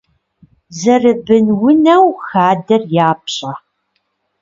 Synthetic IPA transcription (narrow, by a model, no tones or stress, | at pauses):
zɐrɨbɨnwʊnɐwxaːdɐrjaːpɕʼɐ